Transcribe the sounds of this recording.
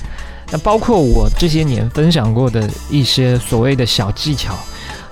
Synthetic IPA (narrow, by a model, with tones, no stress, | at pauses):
na˥˩pɑ˥ʊkʰwɔ˥˩wɔ˨˩ʈ͡ʂɤ˥˩ɕ̬jɛ˥njɛ̰˧˥nfə˥nɕ̬jɑ˨˩ŋkwɔ˥˩d̪ə˩i˥˩ɕjɛ˥swɔ˨˩we˥˩ɪd̪ə˩ɕjɑ˨˩ʊt͡ɕi˥˩t͡ɕʰjɑ˨˩˦ʊ